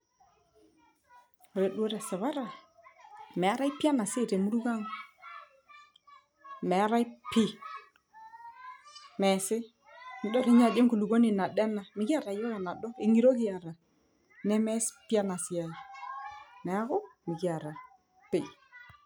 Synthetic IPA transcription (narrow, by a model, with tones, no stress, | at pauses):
o˨ɾe˨dwo˦ɾa˨sa˨βa˦ɾa˨ | mɛ˨a˦ɾa˦i˦pi˦a˦na˨sɪ˦˨te˨mu˦ɾu˦ka˦ŋ | mɛ˨a˦ɾa˦i˦pi˦ | mɛ˨sɪ˦ | n˨dɔ˦ɾe˦ɲa˨d͡ʒe˦ŋku˨lu˨ɡo˦ni˨na˨dɛ˦na˨mɪ˨˦ɡi˦a˦˨ɾa˨jɔ˦ja˨na˨dɔ˦ɪ˨ŋi˦ɾo˦ki˦a˨ɾa˨ | nɛ˦mɛ˦spa˦na˨si˨a˨ | nɛ˨a˦ɣo˦mi˨ki˦a˨ɾa˨ | pe˨